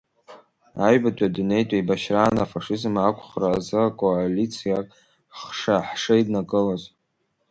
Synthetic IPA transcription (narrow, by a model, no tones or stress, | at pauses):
ajbatʷʼadune̞jtʷʼaibaʃraːnafaʂɨzmakʷʰʼχraːzɨakʼoalit͡sʰijakʼ | χʂaħʂaidnakʼɨlaz